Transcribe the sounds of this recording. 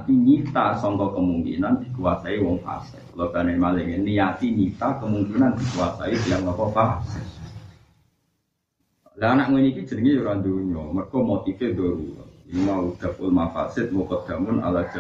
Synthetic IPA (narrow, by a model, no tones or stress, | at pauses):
t̪init̪asɔŋk̪ɔkəmuŋkḭnand̪̥i̥kuwasaiwɔŋfa̰sɪ̰t̚lɔkanemaleŋɪnːijat̪init̪akəmuŋkinand̪̥i̤kuwasa̰ib̥ijaŋlɔkɔfasɪ | laanaʔŋunikid̥ʒ̥ə̤nəŋejuɾand̪uɲɔmərkɔmot̪ifed̪oɾṵimaud̪̥a̤pʊ̰lmafa̰sɪt̪̚mokɔd̪̥ä̤mʊna̰lḁʒ̥